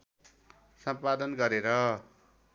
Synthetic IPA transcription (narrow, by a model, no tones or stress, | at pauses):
sʌmpad̪ʌnɡʌɾeɾʌ